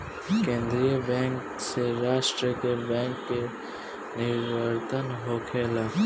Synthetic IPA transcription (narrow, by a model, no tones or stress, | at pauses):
kẽːnd̪ɾijəbɛ̃ːŋk | seɾaːʃʈɾəkebɛ̃ːŋkːe | nɪɾʋəɾt̪ənɦoːkʰeːlaː